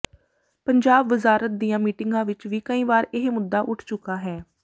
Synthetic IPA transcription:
pəɲd͡ʒaːbʋəzaːɾət̪̚d̪ijãːmiːʈɪŋɡãːʋɪt͡ʃʋiːkəĩːʋaːɾɪɦmʊd̪ːaːʔʊʈʰt͡ʃʊkaːɦɛː

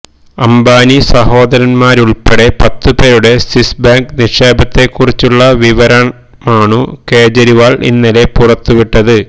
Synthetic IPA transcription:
ɐmbaːnisɐho̞ːd̪ɐɾɐnmaːɾuɭpeɽe̞pɐt̪ːɨpeːɾuɽe̞sisbaːŋkniʂeːbɐt̪ːe̞kːurit͡ɕːuɭːɐʋiʋɐɾɐɳ | maːɳuke̞ːd͡ʑɐɾiʋaːɭʔḭnːɐle̞purɐt̪ːuʋiʈːɐðɨ

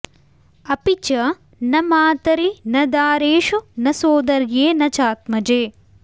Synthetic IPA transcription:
ɐpit͡ʃɐ | nɐmaːt̪ɐɾinɐd̪aːɾeːʃunɐsoːd̪ɐɾjeːnɐt͡ʃaːt̪mɐd͡ʒeː

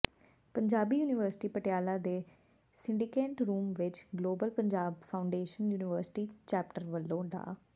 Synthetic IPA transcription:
pəɲd͡ʒaːbiːjuːnɪʋəɾsɪ̥ʈiːpəʈɪjaːlaːd̪eː | sɪ̃ɳɖikeːʈɾuːmʋɪt͡ʃɡloːbəlpəɲd͡ʒaːbpʰaʊɳɖeːʃənjuːnɪʋəɾsɪ̥ʈiːt͡ʃɛːp̚ʈəɾʋəlːõːɖa̰ː

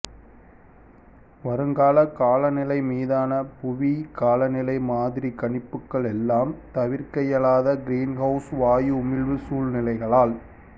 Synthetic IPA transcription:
ʋɐɾɯŋɡaːlɐkaːlɐnɪlɐɪmiːðaːnɐpʊʋikaːlɐnɪlɐɪmaːðɪɾikɐɳɪpːɯkːɐɭɛlːaːmt̪ɐʋɪɾkɐjɐlaːðɐɡɪɾiːnhɐʊsʋaːjʊmɪlʋɯsuːlnɪlɐɪɣɐɭaːl

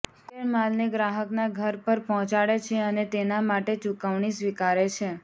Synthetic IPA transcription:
kemalneɡɾaɦəknaɡʱəɾpəɾpɔɦɔ̃t͡ʃaɭet͡ʃʰeənet̪enamaʈet͡ʃukəʋɳisʋikaɾet͡ʃʰe

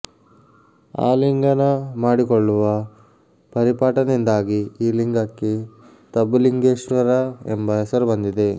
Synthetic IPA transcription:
a̰ːliŋɡɐnɐmaːɽikɔɭːuʋɐ | pɐɾipaːʈɐnind̪aːɡiiːliŋɡɐkːe | t̪ɐbːuliŋɡeːʂɐɾaḛmbɐɦesɐɾubɐnd̪id̪e̞

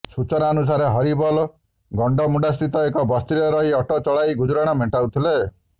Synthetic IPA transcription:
sut͡ʃɔnaɔnus̬aɾeɦɔɾibɔlɔ | ɡɔɳɖɔmuɖast̪it̪ɔekɔbɔst̪ɾiɔɾɔɦiɔʈɔt͡ʃɔɭajɡud͡ʒɾaɽ̃ameʈawt̪ʰile

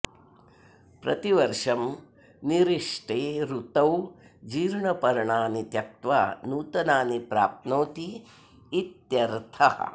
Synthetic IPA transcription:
pɾɐ̰t̪iʋɐɾʂɐm | niɾiʂʈeːɾut̪ɐwd͡ʒiːɾɳɐpɐɾɳaːnit̪jɐk̚t̪ʋaːnuːt̪ɐnaːnipɾa̰ːp̚t̪noːt̪iː | t̪jɐɾt̪ʰɐhɐ̰

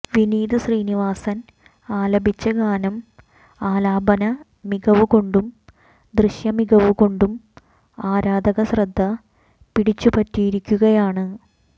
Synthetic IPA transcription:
ʋiniːd̪ɨɕriːniʋaːsɐn | aːlɐbʱit͡ɕːɐɡaːnɐm | aːlaːbɐnɐ | miɡɐʋɨko̞ɳɖum | d̪rɨɕjɐmiɡɐʋɨko̞ɳɖum | aːɾaːd̪ɐɣɐɕrɐd̪ʱːɐ | piɽit͡ɕːupɐtːijiɾikʲːuɣɐjaːɳɨ

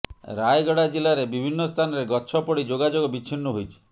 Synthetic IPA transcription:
ɾajɡɔɽad͡ʒilaɾebibʱinːɔst̪ʰanɔɾeɡɔt͡ʃʰɔpɔɽid͡ʒoɡad͡ʒoɡɔbit͡ʃʰinːɔɦojt͡ʃʰi̥

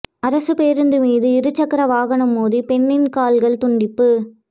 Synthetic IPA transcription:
ɐɾɐsɯpeːɾɯnd̪ɯmiːðɯɪɾɯt͡ʃːɐkːɐɾɐʋaːɣɐɳɯmːoːðipɛnːɪnkaːlɣɐɭt̪ʊɳɖɪpːɯ

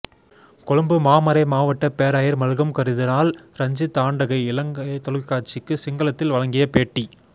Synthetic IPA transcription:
kɔɻɯmbɯmaːmɐɾɐɪmaːʋɐʈːɐpeːɾaːjɐɾmɐɻɯɣɐmkɐɾɯðɪnaːlɾɐɲd͡ʒɯt̪aːɳɖɐɣɐɪɪlɐŋɡɐɪt̪ɔɻɯkːaːɾt͡ʃɪkːɯsɪŋɡɐlɐt̪ːɪlʋɐɻɐŋɡɪjɐpeːʈːi

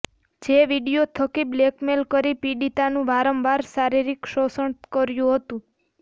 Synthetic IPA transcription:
d͡ʒeʋiɖijot̪ʰəkiblekmelkəɾipiɖit̪anũbaɾəmbaɾsaɾiɾikʃosəɳt̪kəɾjũɦət̪ũ

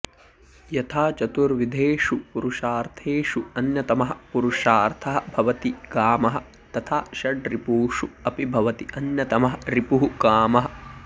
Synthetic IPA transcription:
jɐt̪ʰaːt͡ʃɐt̪uɾʋid̪ʱeːʂupuɾuʃaːɾt̪ʰeːʃuɐnjɐt̪ɐmɐɦɐ̆puɾuʃaːɾt̪ʰɐɦɐ̆bʱɐʋɐt̪iɡaːmɐɦɐ̆ | t̪ɐt̪ʰaːʃɐɖɾipuːʂuɐpibʱɐʋɐt̪iʔɐnjɐt̪ɐmɐɦɐɾipuɦuɡaːmɐɦɐ̆

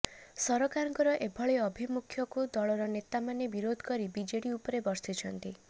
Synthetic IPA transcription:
sɔɾɔkaɾɔŋkɔɾɔʔebʱɔɭeɔbʱimukʰjɔkud̪ɔɭɔɾɔnet̪amanebiɾod̪ʱkɔɾibid͡ʒeɽiupɔɾebɔɾsit͡ʃʰɔnt̪i

